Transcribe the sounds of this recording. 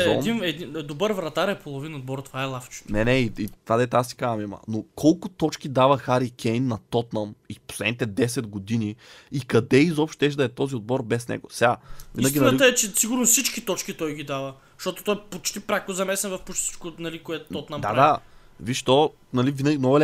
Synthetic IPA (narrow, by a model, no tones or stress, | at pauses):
ɔɛinɛd̪ind̪obəɾvɾɐt̪aɾɛpolˠovinɐod̪̚bɔɾt̪ovaɛlˠaft͡ʃɛ̥t̪nɛnɛiit̪vad̪ɛt̪asi̥kazɐmimə̰nokʰɔlˠkʊt̪ɔt͡ʃkid̪avəxaɾikʰʲɛjnːɐt̪ɔt̪nɐmipo̥slɛd̪it̪ɛd̪ɛsɛd̪ɡod̪iniikɐd̪ɛizɔpʃt̪t̪ɛʃ̬d̪ɐɛt̪ɔziod̪̚bɔɾbɛsnɛ̰ɡo̰sɛɡavinɐɡʲinit̪əɛt͡ʃɛsiɡʊɾnossit͡ʃkit̪ɔt͡ʃkit̪ɔjɡid̪avə | ʃt̪ɔt̪o̥t̪ɔjɛpot͡ʃt̪ipɾakozɐmɛsɛnvɐfpot͡ʃsi̥t͡ʃkʊnɐlikoɛt̪t̪ɔt̪nadmad̪a | viʃt̪ɔ | nɐlivinəɡʲinɔl